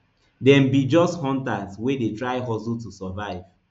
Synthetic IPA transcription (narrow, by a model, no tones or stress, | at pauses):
dɛ̃mbid͡ʒɔsthɔ̃ntaswedetɹaɪɦɔsultusɔvaɪv